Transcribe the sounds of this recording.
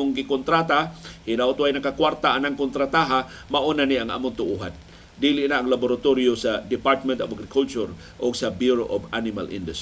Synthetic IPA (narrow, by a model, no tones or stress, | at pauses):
ʊŋɡɪkont̪ɾat̪ahɪnaʔʊt̪uajnakakwaɾt̪aʔanaŋkʊnt̪ɾat̪aɦamaʔunaniʔaŋʔa̰mʊnt̪ʊʔuɦa̰n | dilɪʔnaːŋlabʊɾat̪oɾijosad̪ɪpaɾt̪̚mɛnt̪ovaɡɾɪkʰult͡ʃʊɾ | ʔʊɡsabjuɾoʔobanɪma̰lʔḭnd̪ʊs